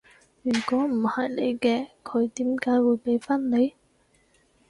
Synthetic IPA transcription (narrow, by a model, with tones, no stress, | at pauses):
jyː˨˩kɔː˨˥m̩˨˩hɐ˨jle˨˧jkɛː˧kʰɵ˨˧ɥt̪iː˨˥mkaː˨˥jwuː˨˧jpe˨˥jfaː˥nle˨˧j